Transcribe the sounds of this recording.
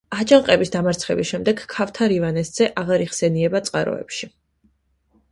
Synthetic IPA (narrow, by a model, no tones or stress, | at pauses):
ad͡ʒaŋqʼɛbisd̪amaɾt̪sʰχɛbisʃɛmd̪ɛɡʰːaft̪ʰaɾivanɛst̪z̥ɛʔaʁaɾiʁsɛniɛbat̪sʼqʼaɾɔ̰ɛ̰pʃi